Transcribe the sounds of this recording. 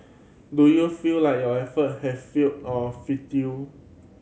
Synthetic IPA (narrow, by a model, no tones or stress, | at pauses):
dujufillajk̚jɔɛfət̚hɛvfiltɔfitu